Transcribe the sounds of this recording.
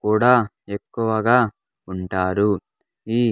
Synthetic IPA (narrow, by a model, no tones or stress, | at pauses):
kuːɽaː | ekːuʋɐɡaː | uɳʈaːɾu | iː